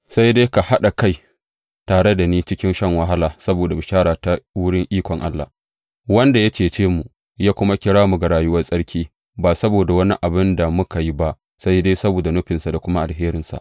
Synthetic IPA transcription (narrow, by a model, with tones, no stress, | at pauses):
sa˦jdeː˦ka˨ha˦ɗa˨ka˦j | taː˨ɽe˦da˨niː˦t͡ʃɪ˦kʲɪ˦nʃɐ˦˨ŋwɐ˦ɦa˦laː˨sɐ˦boː˨da˨bɪ˨ʃaː˦ɽaː˨ta˦wʊ˦ɽɪ˦ŋʔiː˦kʷɔ˨ŋʔa˦lːa̰˨ | wɐ˦nda˨ja˦t͡ʃeː˨t͡ʃeː˦mu˨ | jaː˦kʷʊ˦ma˦kʲɪ˦ɽaː˦mu˨ɡa˨ɽaː˨jʊ˦wɐ˦rsʼɐ˦ɽkʲiː˦ | baː˨sɐ˦boː˨da˨wɐ˦ni˦ʔa˨bɪ˦nda˨mʊ˦ka˨ji˦ba˦ʔ | sa˦jdeː˦sɐ˦boː˨da˨nʊ˦ɸɪ˨nsa˨da˨kʷʊ˦ma˦ʔa˨lɦeː˦ɾɪ˨nsa̰˨ʔ